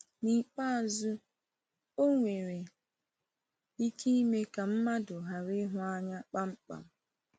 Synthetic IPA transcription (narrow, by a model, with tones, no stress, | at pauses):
ni˨k͡pa˦˨zu˦ | o˦ŋʷe˨ɾe˨ | i˦ki˦i˦me˦ka˨m̩˦ma˦dʊ˨ɦa˨ɾɪ˦ɦʊ˦a˦ɲa˦k͡pa˦ŋ͡m̩˦k͡pa̰˨m̩˦